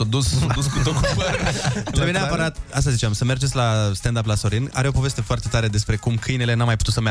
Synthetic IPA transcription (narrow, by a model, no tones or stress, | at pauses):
od̪usouskut̪okopəɾebeneapəɾat̪ast̪azit͡ʃeamsəme̞rd͡ʒet̪sʲlast̪end̪ap̬laso̞ɾina̰ɾe̞o̞po̞ve̞st̪e̞foart̪e̞t̪aɾe̞d̪e̞spɾe̞kumkʰɨjne̞le̞namːajput̪ut̪səma